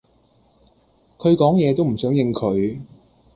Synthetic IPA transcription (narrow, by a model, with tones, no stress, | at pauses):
kʰɵ˨˧ɥkɔː˨˥ŋjɛː˨˧t̪̬o˥wm̩˨˩sœː˨˥ŋjɪ˧ŋkʰɵ˨˧ɥ